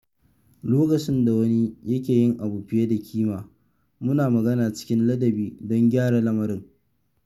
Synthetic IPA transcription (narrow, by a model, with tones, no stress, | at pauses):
loː˦kɐ˨t͡ʃɪ˦nda˨wɐ˦ni˦jɐ˦kʲeː˨jɪ˦ŋʔa˨buː˨ɸɪ˦je˦da˨kʲʰiː˦maː˨ | mʊ˦naː˨mɐ˨ɡɐ˦naː˨t͡ʃɪ̥˦kʲɪ˦nlɐ˦dɐ˨biː˨dɔ˦ŋɡʲaː˦ɽa˨lɐ˦mɐ˨ɾɪ˦ŋ